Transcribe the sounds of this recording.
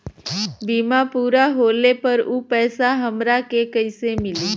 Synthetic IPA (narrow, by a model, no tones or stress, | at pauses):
biːmapuːɾaɦoːlepəɾuːpɛːsaɦəmɾakekəɪsemɪliː